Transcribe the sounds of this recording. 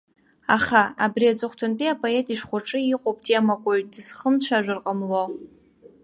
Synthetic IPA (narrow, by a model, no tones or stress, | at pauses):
a̰χaabriad͡zʼɨχʷtʰʊnpʼiapʼoe̞tʼiʂχʷʊʈ͡ʂʼɨiqʷʼopʰʼtʼiamakʷʼoɥtdɨzχəmt͡ɕʷʰaʒʷᶣɨrqʼəmlo